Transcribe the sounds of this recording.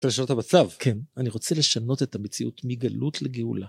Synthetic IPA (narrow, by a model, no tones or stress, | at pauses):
eliʃanothamat͡savkʰe̞naniʁo̞t͡sele̞ʃano̞tetamet͡siʔutmiɡalutʰleɡeṵla